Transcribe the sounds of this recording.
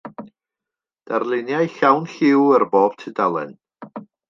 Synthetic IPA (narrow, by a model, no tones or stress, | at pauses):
d̥arlˠɪnjajɬawnɬɪwərboːb̥tʰɪdalˠɛ̰n